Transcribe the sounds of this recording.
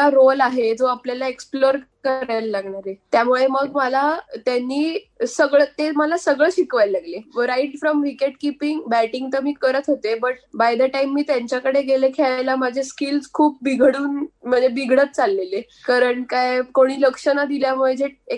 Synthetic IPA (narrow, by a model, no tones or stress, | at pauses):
aɾolaɦed͡zoapljalaeksploɾkəɾajlalaɡɳaɾet̪jamuɭeməɡməlat̪janːiː | səɡɭət̪eməlasəɡɭəɕikʋajllaɡleɾaiʈfɾɔmʋikeʈkipiŋɡbæʈiŋɡt̪əmiːkəɾət̪ɦot̪ebəʈ̚bajd̪əʈaimːiːt̪jaɲt͡ɕjakəɽeɡelekʰeɭajlamad͡ʑʱeskilskʰuːp̚biɡʱɽuːnm̤əɳd͡zebiɡʱɽət̪̚t͡salːele | kaɾəɳkajkoɽ̃iːləkʂənad̪iljamuɭed͡zʱee